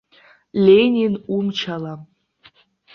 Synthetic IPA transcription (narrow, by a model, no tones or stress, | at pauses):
lʲenʲinumt͡ʃʰala